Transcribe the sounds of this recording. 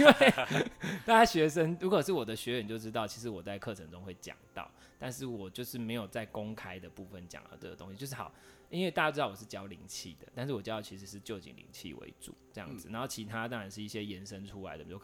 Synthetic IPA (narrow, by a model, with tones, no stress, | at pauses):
i˥we˥˩ɪt̪a˥˩t͡ɕa˥ɕɥɛ˧˥ʂə˦ŋɻu˧˥kʰo˨˩ʂɻ̩˥˩wɔ˨˩d̪ə˦ɕɥɛ˧˥˨n˨˩t͡ɕjo˥˩ʊʈ͡ʂɻ̩˥t̪ɑ˥˩ʊt͡ɕʰi˧˥ʂɻ̩˧˩wɔ˨˩t͡sa˥˧ɪkʰɤ˥˨˩ʈ͡ʂʰə˧˥ŋʈ͡ʂʊ˦ŋxwe˥˩ɪt͡ɕja̰˨˩ŋt̪ɑ̰˥˨˩ʊ | t̪a˥˧nʂɻ̩˥˩wɔ˨˩t͡ɕjo˥˧ʊʂɻ̩˥˩me˧˥ɪjo˨˩ʊt͡sa˥˩ɪkʊ˦ŋkʰa˥ɪd̪ə˨pu˥˩fə˨nt͡ɕja̰˨˦ŋa̰˨˧˦ʈ͡ʂə̰˥˩ɡ̪ə˩t̪o˥ŋɕi˨t͡ɕjo˥˧ʊʂɻ̩˥˩xɑ˨˩ʊ | i˥nwe˥˧ta˥˩ja˥˩˧ɑ˥˩˨wɔ˨˩ʂɻ̩˥˩t͡ɕjɑ˥ʊli˧˥ŋt͡ɕʰḭ˥˩d̪ə̰˩t̪a˥˧nʂ̬ɻ̩˥˩wɔ˨˩t͡ɕ̩̪˥˦ɑ˥˩t͡ɕʰi˧˥ʂ̬̩˧˥ʂɻ̩˥˧t͡ɕjo˥˩ʊt͡ɕḭ˨˩ŋlḭ˧˥ŋt͡ɕʰḭ˨wḛ˦ɪʈ͡ʂṵ˨˩˦ʈ͡ʂɤ˥˧jɑ̰˥˩ŋd͡z̩˨˩na˧˦nxo˥˩ʊt͡ɕʰi˧˥t̪ʰa˦t̪ɑ˥ŋɻa˨˧˦nʂ̬ɻ̩˥˩i˥˩ɕjɛ˦jɛ˧˦˥nʂə˦nʈ͡ʂʰu˥la̰˧˥ɪd̪ə˨˩˨jo˥˩